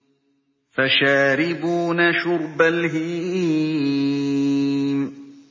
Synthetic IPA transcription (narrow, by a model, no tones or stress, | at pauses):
faʃaːɾɪbuːnaʃʊɾbalɦɪ | m